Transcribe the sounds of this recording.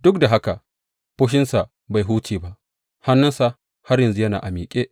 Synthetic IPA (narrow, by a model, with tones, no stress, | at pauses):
dʊ˦k̚da˨ɦa˦ka˨ | ɸo˦ʃ̬ɪ˦nsa˨ | ba˨jɦuː˦t͡ʃiː˨ba˦ʔ | ha˦nːɐ˦nsa˨ | ha˦ɾjɐ˨nzu˦jɐ˦na̰ː˨ʔa˨miː˨kʲʼeː˦ʔ